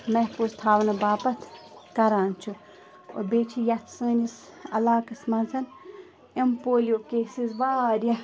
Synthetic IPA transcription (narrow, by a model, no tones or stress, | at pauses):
mɛɦpust̪ʰaːʋnɐbaːpɐt̪ʰkɐɾaːnt͡ʃʰu | o̰beːt͡ʃʰijɐt̪ʰsəːnis | ɐ̰laːkɨsmɐnsʰɐn | ɐmpoːlʲjoːkeːsizʋaːɾjɐ